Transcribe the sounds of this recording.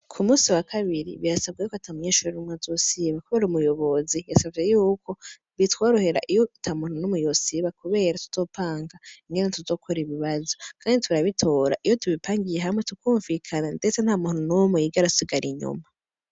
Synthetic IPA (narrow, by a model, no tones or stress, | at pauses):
kʰumuːsiwakʰaβiɾḭβiɾasab̚ɡajukatʰamuɲeːʃuɾuɾinimŋazosiβakuβeːɾumujo̞βo̞zijasavɡe̞juːko̞ | βitwoɾoheɾa̰ʔijotʰamununumujosiβakuβe̞ːɾatu̥z̥o̞ːpʰaːŋɡaiŋɡe̞netuzo̞ːkʰoɾiβiβazokʰaːnditʰuɾaβitʰo̞ːɾa̰ʔijotʰuβipʰaːŋɡijeɦaimwetukuːɱvikʰanande̞t͡sen̥aːmun̥unumujiɡaɾatsiɡaɾʔiɲṵma